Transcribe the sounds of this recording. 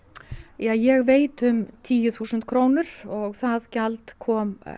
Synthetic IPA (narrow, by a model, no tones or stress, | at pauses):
jajɛɣveːjt̪ʏmt̪ʰiːjʏθuːsʏnt̪̚kʰɾoːwnʏɾɔɣθaðcalt̪kʰɔːm